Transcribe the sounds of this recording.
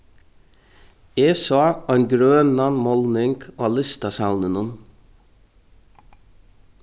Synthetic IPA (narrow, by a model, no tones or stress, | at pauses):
eːsɑɑnɡɾøːnɑnmɔlnɪŋɡoɑlɪst̪ɑsɑʊnənʊn